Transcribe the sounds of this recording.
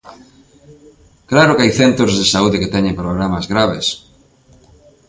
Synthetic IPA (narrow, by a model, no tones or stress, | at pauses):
klaɾʊkeajθent̪ozðesauðeket̪ɛɲẽmpɾoɣ̞ɾamazɣɾaβes